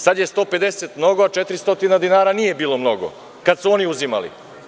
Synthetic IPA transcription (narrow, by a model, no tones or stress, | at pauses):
sad̪je̞st̪o̞ːpe̞d̪e̞set̪mno̞ɡoat͡ʃe̞t̪ɾist̪o̞t̪inad̪inaːɾanije̞biːlˠo̞mno̞ɡo̞̰ | kad̪suo̞niuzima̰lḭ